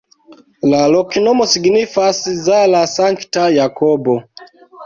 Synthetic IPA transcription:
lalɔkinɔmɔsiɡnifasizalasaŋktajakɔbɔ

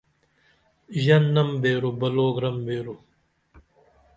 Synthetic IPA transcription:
ʑɐnːɐmbeːɾubɐloːɡɾɐmbeːɾu

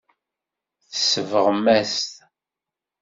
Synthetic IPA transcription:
θə̥sːəvəʁəmːæst̪

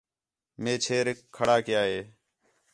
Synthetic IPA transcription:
meːt͡ʃʰeːɾɪkʰːəɽaːkɪjaːɦeː

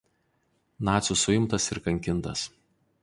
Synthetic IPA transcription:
nɑːt̪sʲusʊɪmt̪ɐsɪɾkɐŋʲkʲɪnˑt̪ɐs

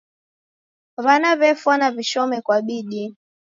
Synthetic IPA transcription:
βanaβɛfwanaviʃɔmɛkwaɓiɗi

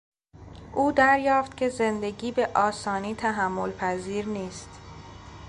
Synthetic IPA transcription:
ʔuːd̪æɾjɒːft̪cʰʲe̞ze̞nd̪e̞ɟiːbe̞ʔɒːsɒːniːt̪ʰæɦæmːolpʰæziːɾniːst̪

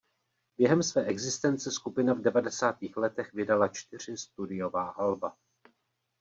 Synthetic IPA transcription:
bjɛɦɛmsvɛːʔɛɡzɪst̪ɛnt͡sɛskupɪnavdɛvadɛsaːt̪iːxlɛt̪ɛxvɪdalat͡ʃt̪ɪr̝̥ɪst̪udɪjo̞vaːɦalba

